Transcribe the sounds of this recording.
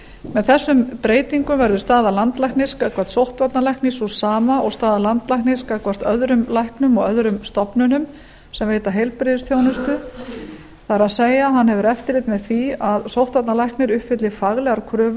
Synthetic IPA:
mɛðθɛsːʏmpɾeːjt̪iŋkʏmvɛɾðʏ̥st̪aːðalant̪lajknɪskaðkʰvar̥t̪sowht̪vat̪nalajhknisusaːmaʔɔɣst̪aːðalant̪lajhknɪskaðkʰvar̥t̪œðɾʏmlajhknʏmɔɣœðɾʏmst̪ɔpnʏnʏm | sɛmveːjt̪aɦejlpɾeðʏst̪joːwnʏst̪ʏ | θaɛɾaðseːjaɦanːhɛvʏɾɛft̪ɪɾlɪt̪mɛðθiaðsowht̪vat̪nalajhknɪɾʏhpfɪt̪lɪfaɣlɛɣaɾkʰɾʏːv

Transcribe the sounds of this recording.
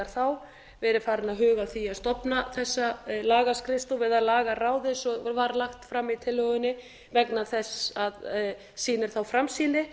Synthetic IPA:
aɾ̥θaw | vɛːɾɪɾfaːɾɪnaðɦʏːɣaθiaðst̪ɔpnaθɛsːalaːɣaskɾɪst̪ʊvɪðaðlaːɣaraːwðɪsɔvaɾlaxt̪fɾamːit̪ʰɪlːœɣʏnːɪ | vɛknaðθɛsað | siːnɪɾ̥θawfɾamsiːnɪ

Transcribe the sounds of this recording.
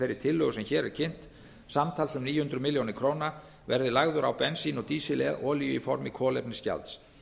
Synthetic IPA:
ɛɾɪɾ̥t̪ʰɪlːœɣʏsɛmçɛːɾɛɾ̥cʰɪn̥t̪ | samt̪ʰaːlsʏmniːjʏhʏnt̪ɾʏmɪljownɪkʰɾoːwna | vɛɾðɪlaɣðʏɾawpɛnsinɔt̪iːsɪlɛ̰ðʔɔːlijʏifɔɾmɪkʰɔːlɛpnɪsca̰lt̪s

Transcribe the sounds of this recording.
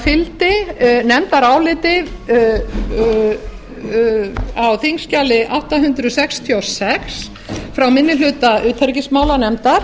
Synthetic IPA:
fɪlt̪ɪnɛmt̪aɾaːwlɪːt̪ɪ | awθiŋscaːlɪʔawht̪aɦʏnt̪ɾʏɔsɛkst̪ʰjawsɛks | fɾawmɪnːɪlʏːt̪aʔʏːt̪ʰhɛɾcɪsmaːwlanɛmt̪aɾ̥

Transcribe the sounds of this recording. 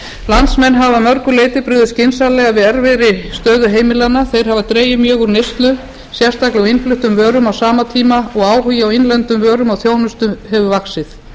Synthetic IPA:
lant̪smɛnːɦavamœɾkʏleːjt̪ɪpɾʏːðɪscɪnsalɛɣavɪðɛɾvɛɾɪst̪œːðʏɦeːjmɪlanːaθejɾ̥ɦavat̪ɾeːjʏmjœːɣʏɾnest̪lʏ | sjɛ̥st̪aklɛawɪnflʏht̪ʏmvœːɾʏmawsaːmat̪ʰiːmaɔɣaːwhʏjɪawɪnlɛnt̪ʏmvœːɾʏmawθjoːwnʏst̪ʏmhɛvʏvaksɪθ

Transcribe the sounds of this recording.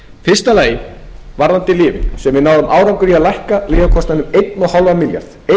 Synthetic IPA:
fɪrst̪alaːjɪvaɾðant̪ɪlɪːvɪ̰sɛmvɪðnaːwðʏmʔaːwɾawŋkʏɾiaðlajhkaliːɣakʰɔst̪anʏmejt̪nɔɣhalvamɪlja̰ɾ̥ðe

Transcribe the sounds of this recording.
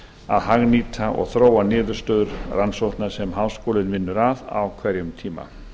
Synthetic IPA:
a̰ðɦaɣniːt̪ʰaʔɔ̰ɣθɾoːwanɪːðʏɾ̥st̪œːðʏɾransowht̪nḁsɛmɦaːwskoːlɪnvɪnːʏɾaða̰wkʰvɛɾjʏmt̪ʰiːma̰

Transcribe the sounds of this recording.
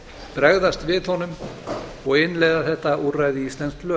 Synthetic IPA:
pɾɛɣðast̪vɪðhɔnʏm | ɔɣɪnːlɛjðaθɛht̪aʔurajðɪist̪lɛnsklœː

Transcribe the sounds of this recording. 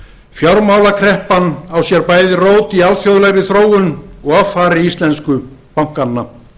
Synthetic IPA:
fjawɾmawlakʰɾɛhpanawsjɛɾpaːjðɪroːwt̪ialfjowðlɛɣɾɪθɾoːwʏnɔɣavfaːɾɪist̪lɛnskʏpawŋ̥kanːa

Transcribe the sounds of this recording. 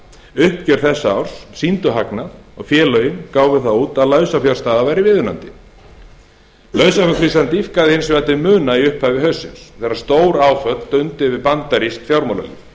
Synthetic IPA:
ʏhpcœɾ̥θɛsːaa̰wɾ̥ssint̪ʏɦaknaðɔɣfjɛːlœɥjɪnkaːwvɪθawuːt̪aðlœːɥsafjḁst̪aːðavaːjɾɪvɪðʏna̰nt̪ɪ | lœɥsafjakʰɾist̪ant̪ifkaðɪhɪnsvɛt̪ɪmʏːnaiʏhphaːvɪɦœɥsːɪnsθɛsaɾ̥st̪oːwɾaːwfœt̪lt̪ʏnt̪ɪvɪpant̪aɾisk̪fjawɾmowla̰lḭf

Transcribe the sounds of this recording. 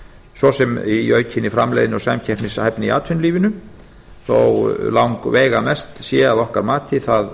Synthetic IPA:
sɔsɛmiœːɥcʰɪnːifɾamlɛ̰jðɪnɔsamcʰɛhpnɪsahɛpnɪia̰ːt̪ʰʏnliːvɪnʏ | θo̰wlawŋkvɛːɣamɛst̪sjɛːaðɔhkaɾmaːt̪ʰɪθað

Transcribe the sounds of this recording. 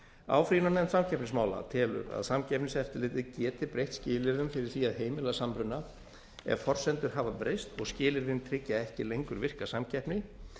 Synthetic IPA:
a̰ːwfɾiːnɔnɛnt̪samcʰɛpnɪsmaːwla̰t̪ʰɛːlʏ̰ɾa̰ðsamcɛhpnɪsɛft̪ɪɾlɪːt̪ɪðcɛːt̪ɪpɾejht̪scɪːlɪɾvɪnfɪɾɪɾ̥θiːaðɦeːjmɪlasampɾʏnːa | ɛ̰vfɔr̥sɛnt̪ʏɾ̥ɦaːvapɾejst̪ɔɣscɪːlɪɾvɪnt̪ʰɾɪcːaɛhcɪlejŋkʏɾvɪr̥kasamcʰɛhpnɪ

